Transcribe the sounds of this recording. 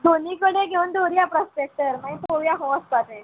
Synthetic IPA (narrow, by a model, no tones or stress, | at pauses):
d̪ʱoniːkəɽeɡʱeund̪oɾiːapɾɔspek̚ʈəɾmaĩpoʋjaɦɔəsp̪at̪e